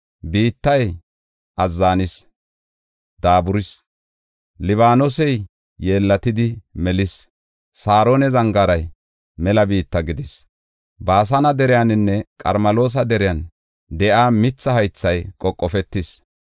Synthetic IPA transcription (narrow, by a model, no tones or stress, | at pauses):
biːt̪ːɐj | ʔɐzːaːnɪs | d̪̥aːbʊɾɪs | lɪβaːnosɛj | je̞ːlːɐt̪ɪd̪ɪmɛlɪs | saːɾoːnɛzɐŋɡaɾɐj | mɛlɐbiːt̪ːɐɡɪd̪ɪs | baːs̬ɐnɐd̪ɛɾɪjanɪnːɛkʼɐ̰ɾmɐlo̞ːs̬ɐd̪ɛɾɪjɐn | d̪ɛʔaːmɪt͡sːɐhɐjt͡sːɐjkʼɔkʼːɔfɛt̪ːɪs